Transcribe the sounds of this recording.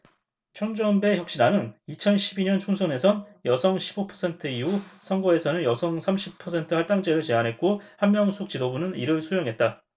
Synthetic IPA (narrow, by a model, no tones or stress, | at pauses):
t͡ɕʰʌŋd͡ʑʌnbe̞çjʌk̚ɕ͈inanɯnit͡ɕʰʌnɕʰibiɲʌnt͡ɕʰuŋsʰone̞sʰʌnjʌsʰʌŋɕʰibopʰʌsʰe̞ntʰɯiusʰʌŋɡʌe̞sʰʌnɯnjʌsʰʌŋsʰamɕʰipʰʌsʰe̞ntʰɯhaɭt͈aŋd͡ʑe̞ɾɯɭt͡ɕe̞anɦe̞t̚k͈ohanmjʌŋsʰuk̚t͡ɕ͈idobunɯniɾɯɭsʰujʌŋɦe̞t̚t͈a